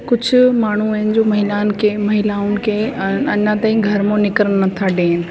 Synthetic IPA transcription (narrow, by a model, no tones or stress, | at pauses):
kʊd͡ʑʱʊ̆maːɳ̤uɐ̃ɦɪnɪ̆d͡ʑoːmɐɦɪlaːnkʰemɐɦɪlaːʊnɪ̆kʰeːɐɲãt̪aːĩɡʱɐɾmõnɪkɾəɽ̃nɐt̪ʰaɗeːnɪ̆